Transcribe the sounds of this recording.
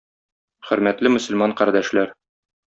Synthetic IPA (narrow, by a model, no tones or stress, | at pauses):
χɵ̆ɾmæt̪lɘmɵ̆sɵ̆lmɑɴqæɾd̪æʃlæɾ